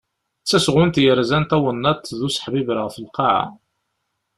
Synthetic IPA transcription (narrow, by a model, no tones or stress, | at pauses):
t͡sːæsʁʊnt̪jəɾzænt̪æwənːɑt̪ðusħbibɾʁfəlqɑʕa̰